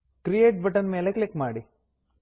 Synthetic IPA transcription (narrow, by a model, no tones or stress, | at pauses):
kɾijeːʈ̚bɐʈɐnmeːleklikmaːɽi